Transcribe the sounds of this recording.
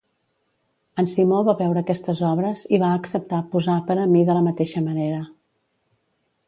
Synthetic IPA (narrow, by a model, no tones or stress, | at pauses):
ənsimoβaβɛwɾəːkɛst̪əzɔβɾəziβaəksəp̚t̪apuzapəɾəmiðələmət̪eʃəməneɾə